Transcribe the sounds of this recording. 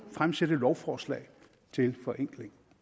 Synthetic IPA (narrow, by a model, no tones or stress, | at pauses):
fʁamsed̥əlɒʊfɒːslɛ̰ɪ | t͡sʰe̝lfɒ̽ʔeŋ̰ɡ̥le̝ŋ